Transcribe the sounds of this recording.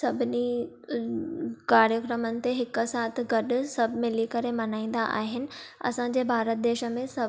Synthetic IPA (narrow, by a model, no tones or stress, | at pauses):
sɐbʱɪni | kaːɾjəkɾəmənɪ̆t̪eɦɪksaːt̪̆ʰɡɐɗʊ̆sɐbʱmɪ̃likɐɾemɐnaːĩːn̆d̪aʔa̰ːɦɪnɪ̆ɐ̰sãɲd͡ʑeːbʱaːɾət̪̚d̪eːʃəmẽsɐ